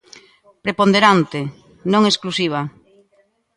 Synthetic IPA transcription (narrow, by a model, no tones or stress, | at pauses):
pɾepond̪eɾant̪e | nõŋesklusiβ̞a